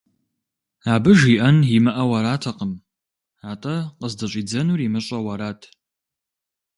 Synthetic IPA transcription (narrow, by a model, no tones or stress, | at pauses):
aːbɨʒiːʔɐnjimɨʔɐwɐɾaːtʰɐqəm | aːtʼɐqəzdɐɕʼiːd͡zɐnuːrimɨɕʼɐwɐɾaːtʰ